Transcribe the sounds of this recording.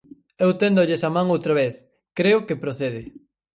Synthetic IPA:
ewt̪end̪oʎesamãŋowt̪ɾaβeθ | kɾeʊkepɾoθeð̞ɪ

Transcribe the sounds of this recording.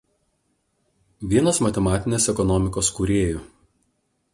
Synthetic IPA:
ʋʲiɛnosmɐt̪ʲɛmɑːt̪ʲɪnʲeːsɛkɔnɔːmʲɪkoːskuɾʲeːjʊ

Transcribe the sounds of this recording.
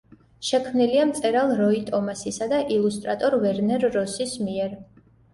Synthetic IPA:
ʃɛkʰmniliamt̪sʼɛɾalˠɾɔit̪ʼɔmasisad̪aʔilˠust̪ʼɾat̪ʼɔɾvɛɾnɛɾːɔsismiɛɾ

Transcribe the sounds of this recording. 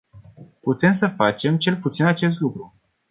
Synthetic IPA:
put̪e̞ms̬əfat͡ʃe̞mt͡ʃe̞lput̪sinat͡ʃe̞s̬t̪lukɾu

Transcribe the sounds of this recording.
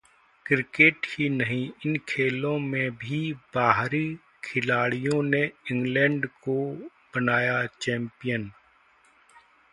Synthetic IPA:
kɾɪkeːʈhinɐɦĩɪnkʰeːlõmẽbʱibaːɦɾi | kʰɪlaːɽijõneɪ̃ŋɡlɛ̃ːɳɖko | b̥ənaːjat͡ʃɛ̃ːmpijən

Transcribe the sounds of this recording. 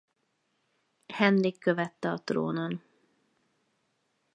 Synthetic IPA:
hɛnɾikːøvɛt̪ːɛɒt̪ro̰ːnon

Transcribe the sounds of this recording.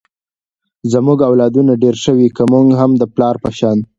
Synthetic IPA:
zəmuɡawlɑd̪unaɖeɾʃəwikəmuŋɡɦamd̪əplɑɾpəʃɑn

